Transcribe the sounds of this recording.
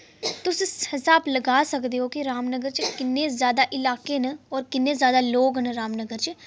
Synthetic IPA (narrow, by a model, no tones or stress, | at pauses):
t̪ʊshɪsaːbləɡaːsəkd̪eːɦoːkiɾaːmnəɡəɾt͡ʃkɪnːeːzjaːd̪aːʔɪlaːkeːnəɔːɾkɪnːeːzjaːd̪aːloːɡnəɾaːmnəɡəɾt͡ʃ